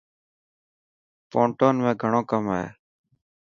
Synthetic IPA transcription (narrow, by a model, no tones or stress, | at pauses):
põːɳʈoːnmẽːɡʱəɳõːkəmaːɦḛː